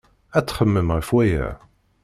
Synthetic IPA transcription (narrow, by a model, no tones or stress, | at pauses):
æt͡sːχəmːəmʁifwæjæ̰